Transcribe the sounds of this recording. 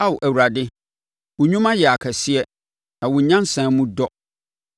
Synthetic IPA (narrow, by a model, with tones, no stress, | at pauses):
a˦wʊ˨ʔæ˨wu˨ɾa˨dɪ˦ | wʊ˨ɲũ˦mã˦jɛ˨a˨kʰɛ˨sɪ˦ɛ˦ | nã˨wʊ̃˨ɲã˦n˦sãː˨˦mũ˦dɔ˦